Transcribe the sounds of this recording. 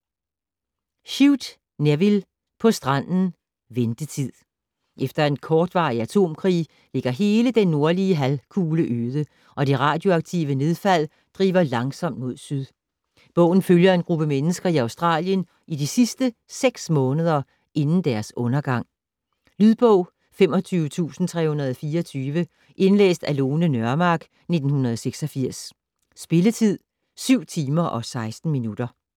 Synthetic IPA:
ɕiʊd̥ | neʋil | pʰɒ̽sd̥ʁɑn̰n̩ | ʋend̥ət͡sʰið̰ˠ | ʔefd̥ɐe̝nkʰɒːd̥ʋɑ̰̈ːiæt͡sʰo̝̰ːmkʰʁḭː | le̝ɡ̥ɐɦe̝ːləd̥enːo̝ɐliəɦælkʰuːləʔøːðˠə | ʔɒ̽d̥e̝ʁɑ̈ːd̥jo̝ɑ̈ɡ̥̚t͡sʰḭːʋəne̝ð̞ˠfæl̰ | d̥ʁḭːʋɐlɑ̈ŋsɒ̽m̰d̥mo̝ðˠsyðˠ | b̥ɔ̽ʊ̰n̩føljɐe̝nɡ̥ʁub̥əmenəsɡ̥ɐiɑ̈ʊsd̥ʁɑ̰̈ːljən | idisisd̥əseɡ̥smɔ̽ːnəð̞ˠɐ | e̝nn̩d̥æɐsɔ̽nɐɡ̥ɑ̈ŋ̰ | lyðˠb̥ɔʊ̰ | fem̰ɒ̽t͡sʰyːʊət͡sʰṵːsn̩t͡sʰʁɛ̰ːhunɐð̞ˠɒfiːɐɒt͡sʰyːʋə | ʔe̝nlḛːsd̥æloːnənɶɐmɑ̈ːɡ̥ | ne̝d̥n̩hunʁɐðˠseɡ̥sɒfiɐ̰sː | b̥e̝lət͡sʰið̰ˠ | syʊ̰t͡sʰiːmɐʔɒ̽sɑ̈ɪsd̥n̩minud̥ɐ

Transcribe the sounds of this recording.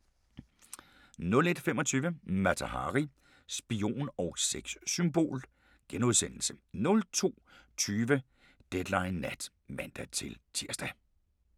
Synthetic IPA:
nɔ̽le̝d̥femɒt͡sʰyːʋəmæt͡sʰæhɑ̰ʁi | sb̥io̝̰ːnɒʊseɡ̥ssymbo̝̰ːl | ɡ̥enuð̞ˠsen̰l̩sənɔ̽lt͡sʰo̝̰ːt͡sʰyːʋə | d̥ed̥lɑ̈ɪnːæd̥ | mænd̥æt͡sʰe̝lt͡sʰiɐsd̥æ

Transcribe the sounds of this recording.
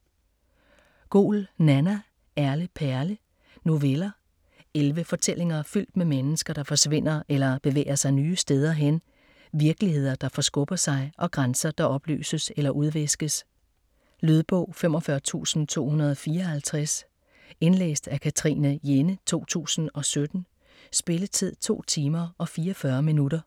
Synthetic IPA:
ɡ̥o̝̰ːlnænæ | æɐləpʰæɐlə | no̝ʋelɐ | elʋəfɒ̽t͡sʰel̰e̝ŋɐfyl̰d̥memenəsɡ̥ɐɾ̥ɑ̈fɒ̽sʋe̝n̰ɐʔelɐb̥e̝ʋḛːɪɐsɑ̈ɪnyːəsd̥eð̞ˠɐɦen | ʋiɐɡ̥əlihe̝ð̞̰ˠɐd̥ɑ̈fɒ̽sɡ̥ɔ̽b̥ɐsɑ̈ɪʔɒ̽ɡ̥ʁansɐd̥ɑ̈ʔɒ̽b̥ly̰ːsəselɐʔuð̞ˠʋesɡ̥əs | lyð̞ˠb̥ɔ̰̽ʊ̰fem̰ɒ̽fɶɐt͡sʰṵːsn̩t͡sʰo̝̰ːhunɐð̞̩ˠɒfiːɒhælt͡sʰʁas | e̝nlḛːsd̥ækʰæt͡sʰʁḭnəjenət͡sʰo̝̰ːt͡sʰṵːsn̩ɒ̽sød̥n̩ | sb̥e̝lət͡sʰið̞̰ˠt͡sʰo̝̰ːt͡sʰiːmɐɒ̽fiːɐfɶɐminudɐ

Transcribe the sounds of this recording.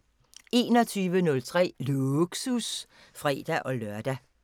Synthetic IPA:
e̝ːnɒ̽t͡sʰyːʋənɔ̽lt͡sʰʁɛ̰ːluɡ̥sus | fʁɛ̰ːd̥æʔɒ̽lœɐd̥æ

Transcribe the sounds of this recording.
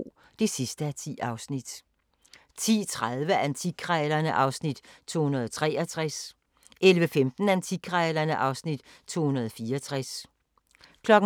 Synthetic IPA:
d̥e̝sisd̥əæt͡sʰḭːʔɑ̈ʊsnid̥ | t͡sʰḭːt͡sʰʁaðˠʋəʔænt͡sʰiɡkʰʁɛːlɐnəʔɑ̈ʊsnid̥t͡sʰo̝̰ːhunɐð̞ˠɒt͡sʰʁɛːɐt͡sʰʁas | ʔelʋəfemd̥n̩ænt͡sʰiɡ̥ʰʁɛlɐnəʔɑ̈ʊsnid̥t͡sʰo̝̰ːhunɐð̞ˠɒfiːɐɒt͡sʰʁas | kʰlɒ̽ɡ̥̩

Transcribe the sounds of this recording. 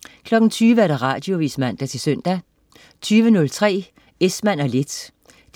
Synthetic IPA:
kʰlɒ̽ɡ̥n̩t͡sʰyːʋəæɐɾ̥ɑ̈ʁɑ̰̈ːd̥jo̝ʋismæn̰d̥æt͡sʰe̝søn̰d̥æ | t͡sʰyːʋənɔ̽lt͡sʰʁɛ̰ː | esmæn̰ɒle̝d̥

